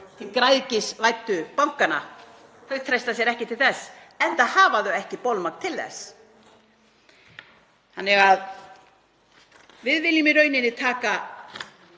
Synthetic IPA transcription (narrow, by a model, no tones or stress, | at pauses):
t̪ʰilkɾajðcɪsvajt̪ːʏpawŋ̥kana̰hœɣt̪ʰɾajst̪asjɛɾɛhcɪt̪ʰɪlθɛs | ɛnt̪aðhaːvaðœɛhcɪpowlmak̪t̪ʰɪlθɛ̰s | ha̰nːɛɣað | vɪðvɪlimɪɾœɥnɪnːɪt̪ʰaːka